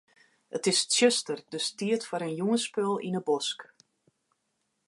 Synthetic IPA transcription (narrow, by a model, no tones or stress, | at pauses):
ətɪstsøstərdøstiətfɔɾənjuŋəspølˠḭnəbɔsk